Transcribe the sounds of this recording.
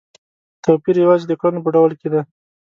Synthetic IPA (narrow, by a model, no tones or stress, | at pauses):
t̪apiɾjawɑzed̪əkɑnop̬əɖawlked̪a